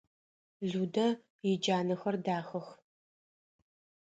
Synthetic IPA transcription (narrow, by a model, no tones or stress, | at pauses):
ɮuːdɐ | jɪd͡ʒaːnɨxɐrdaːxɐx